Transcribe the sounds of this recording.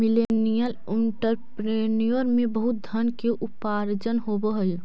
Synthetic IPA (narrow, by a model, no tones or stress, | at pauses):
milenijəl | ɪɳʈəɾpɾenijoɾmẽbəɦʊt̪̚d̪ʱənkeʔupaɾd͡ʒənɦobəɦəj